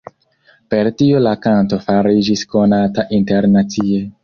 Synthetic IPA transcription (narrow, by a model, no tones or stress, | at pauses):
pe̞ɾtiolakanto̞faɾid͡ʒisko̞nataʔinte̞ɾnat͡sie